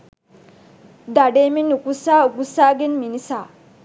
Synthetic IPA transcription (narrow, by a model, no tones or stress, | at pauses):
d̪aɖeːminukusaːukusaːɡenminisaː